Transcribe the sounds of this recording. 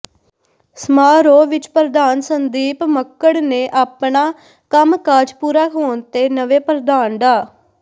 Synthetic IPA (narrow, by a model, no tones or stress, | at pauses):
səmaːɾoːʋɪt͡ʃpɾəd̪aːnsənd̪iːpməkːəɽneːʔaːpɳaː | kəmkaːd͡ʒpuːɾaːɦoːnt̪eːnəʋeːpɾəd̪aːnɖ̪aː